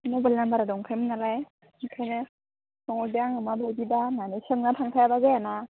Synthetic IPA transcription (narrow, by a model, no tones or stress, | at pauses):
nɔbɯlnambaɾadɔŋkʰajmɯnalaj | ŋkʰajne | sɔŋɔdijaŋɯmabobidananesɯŋnatʰaŋtʰajabazajana